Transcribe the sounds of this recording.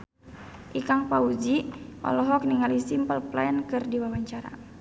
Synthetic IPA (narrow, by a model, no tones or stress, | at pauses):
ʔikaŋpaud͡ʒiʔɔ̰lɔɦɔk̚niŋalisimpəlplankɨrdiwawaɲt͡ʃaɾa̰